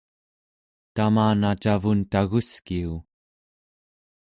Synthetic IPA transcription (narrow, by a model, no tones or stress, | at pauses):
t̪amaːnat͡ʃavunt̪aɣuskiu